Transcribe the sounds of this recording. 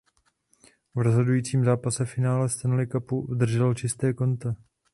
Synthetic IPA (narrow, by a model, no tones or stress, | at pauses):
vɾozɦo̞dujiːt͡siːmzaːpasɛfɪnaːlɛst̪ɛnlɪkapuvd̪r̩ʒɛlt͡ʃɪst̪ɛːko̞nt̪a